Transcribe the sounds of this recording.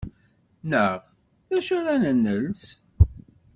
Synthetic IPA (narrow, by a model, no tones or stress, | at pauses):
nəʁ | ðæʃʊɾænənːəls